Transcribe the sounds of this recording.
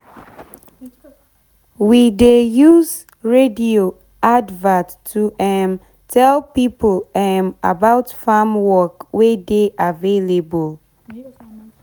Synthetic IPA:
widejuz | ɹedio | advatːʰ | uʔɛn | tʰɛlpipolɛma̰baʊtfamwɔkwedeʔavelebol

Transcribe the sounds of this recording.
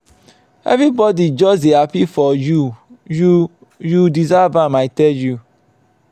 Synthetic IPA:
ḛvɾibɔdid͡ʒɔziapifɔjuju | judizavamaɪtɛju

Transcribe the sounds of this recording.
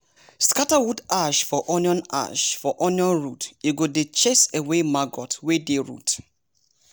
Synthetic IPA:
skatawudaʃfɔʔɔnjɔ̃na̰ʃfɔʔɔniɔ̃nɹuteɡodet͡ʃesewemaɡɔtwedeɹṵt

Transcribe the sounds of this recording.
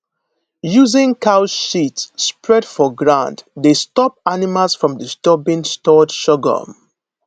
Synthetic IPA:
juzɪ̃ŋkʰaʊʃitːpɹɛdfɔɡɹãnddestɔp̚animalsfɹɔ̃mdistɔbĩnstɔdʃɔɡə̰

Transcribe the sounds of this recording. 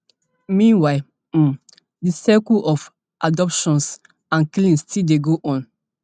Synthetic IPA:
mĩnwaɪ | disɛkulɔf | ʔadɔpʃɔ̃ns | ãnklĩnstildeɡoʔɔ̃n

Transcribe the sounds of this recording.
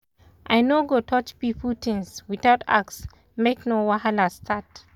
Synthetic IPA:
ʔaɪnoɡotʰɔt͡ʃpifutĩnswiθaʊta̰ks | meknowahalastʰat

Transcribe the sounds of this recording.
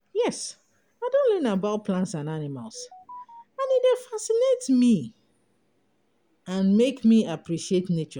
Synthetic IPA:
jɛs | aɪdõntlɜnabat̚pʰlãntsãnanima̰lˠs | ãnidefasinetmi | ãnmekmiapʰɹiʃietnet͡ʃɔ

